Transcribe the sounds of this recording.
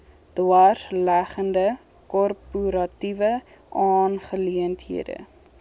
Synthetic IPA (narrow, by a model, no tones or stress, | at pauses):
d̥wɑrlæχəndə | kɔrpuɾɐtivə | ʔɑːnχəliəntɦḭədə̰